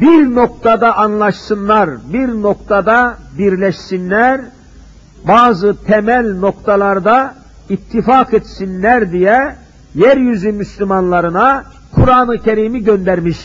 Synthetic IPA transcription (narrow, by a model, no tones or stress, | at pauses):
biɾno̞k̚t̪ʰad̪aʔanlˠɑʃsɯnlˠaɾbiɾno̞kt̪ʰad̪abiɾlʲɛʃsinlæɾ | baːzɯt̪ʰɛmælʲno̞kt̪ʰalˠaɾd̪a | it̪ʰːifaːket̪sinlæɾd̪ijɛ | jæɾjyzymyslʲymanlˠaɾɯna | kʰuɾaːnɯcʰeɾimiɟønd̪æɾmiʃ